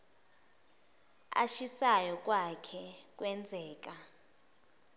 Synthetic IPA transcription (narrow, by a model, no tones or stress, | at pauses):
a̰ʃisajɔk̬ʼwakʰɛkʼwɛnd͡zʱɛːk̬ʼa